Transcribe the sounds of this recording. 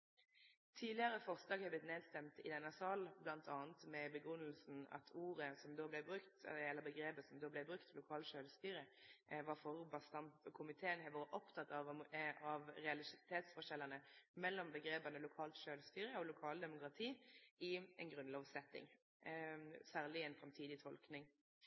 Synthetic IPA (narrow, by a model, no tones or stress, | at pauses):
t̪ʰiːlɪəʁəfɔʁslɑːɡhɛblɪt̪neːd̪st̪ɛmt̪ɪd̪ɛnːɑsɑːlblɑnt̪ʰɑːnt̪mɛbəɡʉnːəlsn̩ɑ̰t̪ʰuːʁəsɔmd̪oːblɛbʁʉkt̪ɛ̰ɛləbəɡɾeːpəsɔmd̪oːblɛɪbʁʉkt̪ʰlʊkʰɑːlʃøːlst̪yːɾəʋɑʁfɔʁbɑst̪ɑmɔkʰʊmɪt̪ʰeːənhɑʋoːɾəʔɔpt̪ʰɑt̪ːɑɑʋʁɛɑlɪt̪ʰeːt̪sfɔʂɛlːənəmɛlːɔmbəɡɾeːpɑnəlʊkʰɑːlt̪ʃøːlst̪yːɾəɔlʊkʰɑːld̪ɛmʊkɾɑt̪ʰiːɪɛnɡʁʉnloːʋsɛt̪ːɪ̰ŋ | sæːʁlɪɛnfɾɑmt̪ʰiːd̪ɪt̪ʰɔlknɪŋ